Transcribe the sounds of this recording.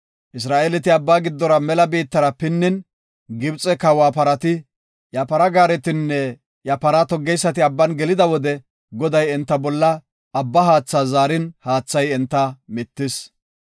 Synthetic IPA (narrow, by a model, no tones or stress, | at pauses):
ʔɪs̬ɾaːʔelɛt̪ɪɐbːaːɡɪd̪ːɔɾɐmɛlɐbiːt̪ːɐɾɐpɪnːɪn | ɡɪbt͡sʼɛkɐwaːpɐɾɐt̪ɪ | jɐpɐɾɐɡaːɾɛt̪ɪnːɛ | jɐpɐɾat̪ɔɡːɛjsːɐt̪ɪɐbːɐnɡɛlɪd̪ɐwɔd̪ɛ | ɡɔd̪ɐjɛnt̪ːɐbɔlːɐː | bːɐɦaːt͡sːaːzaːɾɪnhaːt͡sːɐjɛnt̪ːɐmɪt̪ːɪs